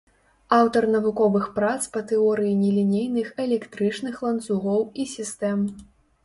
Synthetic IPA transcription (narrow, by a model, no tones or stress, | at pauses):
awt̪ɐrnɐvukɔvɨxpɾat̪spɐt̪ɨɔɾɨjinʲɛlʲinʲejnɨxɛlʲɛkt̪ɾɨt͡ʂnɨxlˠɐnt̪suɣɔwisʲist̪ɛm